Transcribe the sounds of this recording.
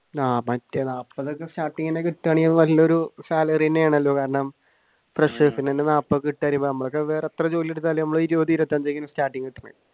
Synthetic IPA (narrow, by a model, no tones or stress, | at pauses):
aːpɐtːɐnaːpːɐðokːestaːʈːiŋːɐnekiʈːaːɳiɐðɨʋɐlːoɾusaːlɐrinːejaːɳɐlːo̞ːkaːɾɐɳɐm | freʂefinːenːenaːpːɐkiʈːaːɾumbonɐmːɐɭokːeʋeːret̪rɐt͡ɕoːlilːeɽut̪ːaːlːenɐmːɐɭoiɾud̪iiɾɐt̪ːaːmd͡ʑejkːɐnɐmstaːʈːiŋɡkiʈːɐnːɐ̰